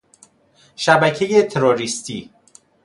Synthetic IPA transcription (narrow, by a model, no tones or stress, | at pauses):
ʃæbæcʰejet̪ʰeɾoɾist̪ʰiː